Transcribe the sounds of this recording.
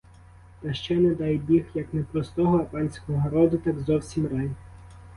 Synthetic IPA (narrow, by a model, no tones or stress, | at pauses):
t̪ɐʃt͡ʃɛnɛd̪ɑjbʲixjɐknɛpɾɔst̪ɔɦɔɐpɑnʲsʲkɔɦɔɦɔɾɔd̪ʊt̪ɑɡzɔwsʲimrɑj